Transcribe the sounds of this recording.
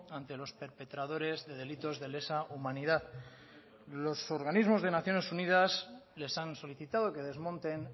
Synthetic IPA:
ant̪e̞lo̞spe̞ɾpe̞t̪ɾað̞o̞ɾe̞zðe̞ð̞e̞lit̪o̞zðe̞le̞saumãniðað | lo̞so̞ɾɣ̞anizmo̞zð̞e̞naθjo̞ne̞sunið̞asle̞sanso̞liθit̪að̞oke̞ðe̞zmõ̞nt̪e̞n

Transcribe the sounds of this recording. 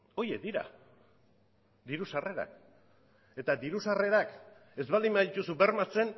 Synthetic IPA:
o̞jekd̪iɾa̰ | d̪iɾusare̞ɾa̰k̚ | e̞t̪ad̪iɾusare̞ɾak | e̞zβald̪imaðit̪usube̞ɾmat͡se̞n

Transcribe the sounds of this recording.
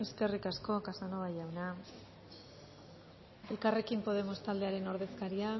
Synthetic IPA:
e̞ske̞rikasko̞kasanoɣajawna | e̞lkare̞kimpo̞ð̞e̞mo̞st̪ald̪e̞aɾe̞no̞ɾðe̞skaɾia

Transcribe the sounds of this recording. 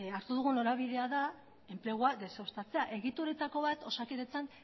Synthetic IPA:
aɾt̪uðuɣuno̞ɾaβ̞iðe̞aða | e̞mple̞ɣ̞uaðe̞seost̪at͡se̞aʔe̞ɣit̪uɾet̪ako̞βat̪o̞sakiðet͡san

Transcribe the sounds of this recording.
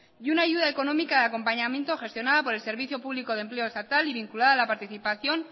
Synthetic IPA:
junaːʝuðae̞ko̞no̞mikaðeako̞mpaɲamje̞nt̪o̞xe̞st̪jo̞naðapo̞ɾe̞lse̞ɾβ̞iθjo̞puβliko̞ð̞e̞mple̞o̞est̪at̪aliβiŋkulaðaːlapaɾt̪iθipaθjo̞n

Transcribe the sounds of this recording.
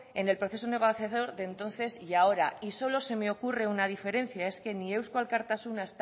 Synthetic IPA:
e̞ne̞lpɾo̞θesone̞ɣ̞oθjaðo̞ɾðent̪o̞nθe̞sjao̞ɾaiso̞lo̞se̞meo̞kure̞unað̞ife̞ɾe̞n̟θjae̞ske̞nie̞wskwalkaɾt̪asunaest̪

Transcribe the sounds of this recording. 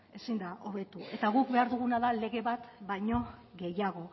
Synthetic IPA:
e̞sind̪aʔoβe̞t̪ue̞t̪aɣukbe̞aɾðuɣ̞unaðale̞ɣe̞βat̪bajɲo̞ɣe̞jaɣ̞o̞

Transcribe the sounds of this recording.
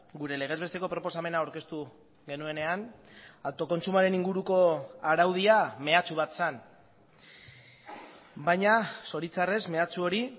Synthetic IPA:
ɡuɾe̞le̞ɣ̞e̞zβe̞st̪e̞ko̞pɾo̞po̞same̞naowɾke̞st̪u | ɣe̞nue̞ne̞an | awt̪o̞ko̞nt͡sumaɾe̞niŋɡuɾuko̞aɾawð̞iame̞at͡suβ̞at̪san | bajɲaso̞ɾit͡sare̞sme̞at͡suo̞ɾi

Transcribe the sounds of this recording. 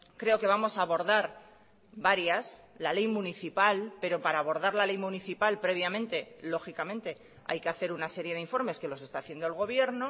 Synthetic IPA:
kɾe̞o̞ke̞β̞amo̞saːβo̞ɾðaɾ | βaɾjaslale̞jmũniθipalpe̞ɾo̞paɾaːβ̞o̞ɾðaɾlale̞jmũniθipalpɾe̞β̞jamẽnt̪e̞lo̞xikamẽnt̪e̞ | a̰jke̞aθe̞ɾunase̞ɾje̞ð̞eiɱfo̞ɾme̞ske̞lo̞se̞st̪aːθje̞nd̪oelɣ̞o̞βje̞ɾno

